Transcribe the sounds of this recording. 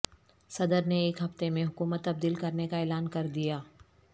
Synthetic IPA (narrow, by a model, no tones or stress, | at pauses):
sɐd̪əɾneːkɦɐft̪emẽɦʊkuːmət̪ːɐb̚d̪iːlkɐɾnekaɛːlaːnkɐɾd̪ijaː